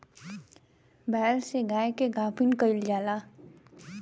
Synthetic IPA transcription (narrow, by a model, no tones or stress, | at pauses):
bɛːlseɡaːekeɡaːpʰinkəɪld͡ʒaːla